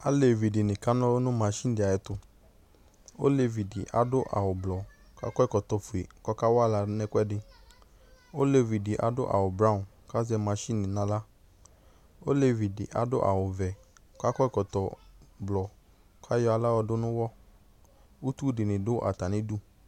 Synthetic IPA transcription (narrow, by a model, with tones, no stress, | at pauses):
a˦le˨vi˨dɪ˨nɪ̃˨ka˦nɔ̃˦nʊ̃˦ma˨˦ʃĩ˦n˦dɪ˨a˨jɛ˨˦t̪ʊ˧ | o̰˦le˨vi˨dɪ˨ʔa̰˨dʊ˦ʔa̰˨wʊ˨blɔ˨ | ka̰˦kɔ˦ɪ˦kɔ˨t̪ɔ˨fu˨e˨kɔ˦ka˦wa˦la˧˦nɛ˦kʷɛ˦dɪ˨ | o˦le˨vi˨dɪ˨ʔa̰˨dʊ̰˦ʔa̰˨wʊ˨bɾã˦˨ | ka˦zɛ˧ma˨˦ʃi˦nɪ̃˨nã˦la˦ | o˦le˨vi˨dɪ˨ʔa̰˨dʊ˦ʔa̰˨wʊ˨vɛ˨˦ | ka˦kɔ˦ɪ˦kɔ˨t̪ɔ˨blɔ˨ | kʰa˦jɔ˧˦a˨la˦wɔ˧dʊ˦nʊ̃˦wɔ˦ | u˦t̪u˦dɪ˨nɪ̃˨dʊ˦ʔa̰˨ta˨nɪ̃˦du˦